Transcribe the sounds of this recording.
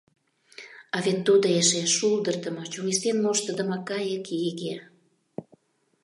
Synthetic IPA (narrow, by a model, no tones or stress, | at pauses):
ɑvent̪ud̪əeʃeʃuld̪ə̆rd̪ə̆mɤt͡ɕuŋist̪enmoʃt̪ə̆d̪ə̆mɑkɑjəkiɣe